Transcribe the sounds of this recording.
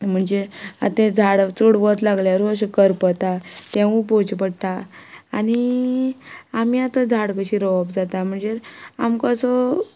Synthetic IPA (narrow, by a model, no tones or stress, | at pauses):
m̤əɳd͡zeat̪ẽd͡zʱaɽt͡suɽʋət̪laɡljaɾuəɕ̬ekəɾpət̪at̪ẽʋũpot͡ɕpəɽt̪aañi | amiat̪əd͡zʱaɽkəɕiɾəʋəbd͡zat̪am̤əɳd͡zeamkasɔ